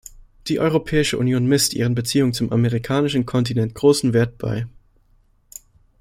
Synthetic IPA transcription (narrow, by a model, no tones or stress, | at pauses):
d̥iːʔɔʏʁopʰɛːɪʃəʔunjoːnmɪstʔḭːʁ̞ənbət͡siːʊŋət͡sʊmʔameʁikʰaːnɪʃn̩kʰɔntinɛnt̚ɡ̥ʁoːsn̩veːɐt̚b̥a̰ɪ